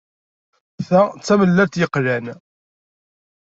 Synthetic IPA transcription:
θæt͡sːæməlːæɾt̪jəqːlæn

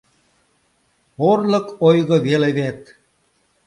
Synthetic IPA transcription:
orlɤ̆kojɣɤ̆βeleβet̪

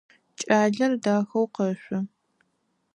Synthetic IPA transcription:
t͡ʃʼaːɮɐrdaːxɐwqɐɕʷʊ

